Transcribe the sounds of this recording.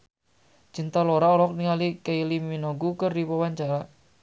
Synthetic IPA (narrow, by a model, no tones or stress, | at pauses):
t͡ʃint̪aloɾaɔlɔk̚niŋalikeiliminoɡukərdipawaɲt͡ʃaɾa